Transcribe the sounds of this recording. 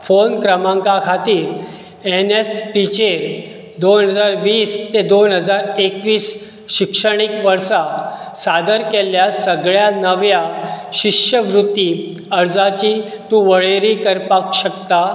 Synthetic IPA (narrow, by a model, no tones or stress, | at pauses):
fonkɾəmãŋkakʰat̪iːɾ | enespit͡ɕeɾ | d̪onɦəd͡zaɾʋiːst̪ed̪onɦəd͡zaɾekʋiːs | ɕikʂəɽ̃ɳ̃ikʋəɾsasad̪əɾkeljasəɡɭjanəʋjaɕikɕəʋɾut̪ːi | əɾd͡zat͡ɕiː | t̪ũʋəɭeɾikəɾpakɕəkt̪a